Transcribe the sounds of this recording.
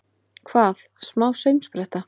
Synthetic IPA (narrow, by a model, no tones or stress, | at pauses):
kʰvaːθ | smaːwsœɥmspɾɛht̪a